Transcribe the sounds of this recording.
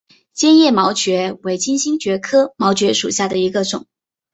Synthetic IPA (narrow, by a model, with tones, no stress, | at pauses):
t͡ɕjɛ˥njɛ˥˩mɑ˧˥ʊt͡ɕɥɛ˧˥we˧˥ɪt͡ɕi˥nɕi˥nt͡ɕɥɛ˧˥kʰɤ˥mɑ˧˥ʊt͡ɕɥɛ˧˥ʂu˨˩ɕja˥˩d̪ə˩i˧˥ɡə˧ʈ͡ʂʊ̰˨˩˦ŋ